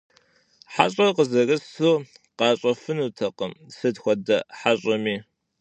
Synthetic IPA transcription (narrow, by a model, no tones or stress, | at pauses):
ħaɕʼɐqəzɐrɨsuː | qɑːɕʼɐfɨnuːtʰɐqəmsɨdxʷɔdɐħaɕʼɐmiː